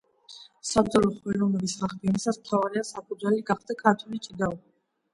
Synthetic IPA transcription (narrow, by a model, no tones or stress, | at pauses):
sat̪ʼɔɾɔχɔɛɾɔvnɛbisʁaχd̪ɛnisasmt̪ʰavaɾiasapʰʼud̪zwɛliɡaχd̪akʰat̪ʰulit͡ʃʼid̪aɔ